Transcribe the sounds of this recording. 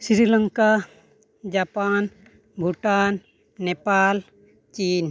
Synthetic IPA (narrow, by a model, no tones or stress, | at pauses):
siɾiləŋka | d͡ʒapan | bʱuʈanː | epal | t͡ʃin